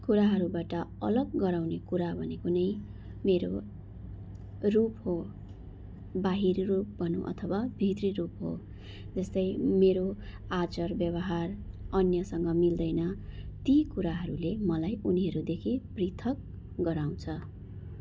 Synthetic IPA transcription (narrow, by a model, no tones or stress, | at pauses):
kuɾaɦʌɾubaʈʌʌlʌɡːʌɾawnekuɾabʱʌnekonʌj | meɾo | rupɦo | baɦirrup̚bʱʌnṵ̃ʔʌ̰t̪ʰʌwabʱit̪rirupɦo̰ | d͡zʌst̪ʌjmeɾo | at͡sʌrbjʌβʌɦarʌnjʌsʌŋɡʌmild̪ʌjnʌt̪ikuɾaɦʌɾulemʌlajuniɦʌɾud̪ekʰiprit̪ʰʌk̚ | ɡʌɾaw̃t͡sʰʌ